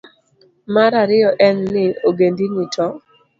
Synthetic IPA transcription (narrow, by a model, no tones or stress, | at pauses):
maɾaɾɪɔʔɛnːɪoɡendinɪtʰɔ